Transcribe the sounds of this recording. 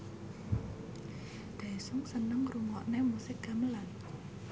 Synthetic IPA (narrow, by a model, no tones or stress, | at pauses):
d̪̥a̤isʊŋsənəŋruŋɔʔnemusɪk̚ɡ̥a̤məlan